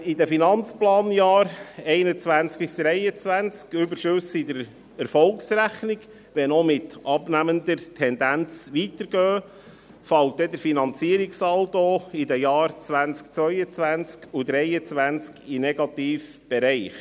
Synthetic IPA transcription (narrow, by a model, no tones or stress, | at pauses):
idɛfinɑnt͡splɑːnjɑːɾɛɪnət͡sʋænt͡sk̚pɪsd̥̪ɾɛɪət͡sʋænt͡skʏbəɾʃʉsɪd̪əɾ | ɛɾfɔlksɾæχnɪɡ | ʋɛnomɪt̪ʔɑbnæmənd̪əɾtʰɛnd̪ænt͡sʋit̪əɾɡ̥œː | fɑlt̚dɛd̪əɾfinɑnt͡siəɾiksɑlt̪oɪd̪ɛjɑːɾt͡sʋænt͡sk̚t͡sʋœʏət͡sʋænt͡skʰud̪ɾɛɪət͡sʋænt͡skinɛɡ̥ɑt̪iːf | b̥ɛɾɛɪχ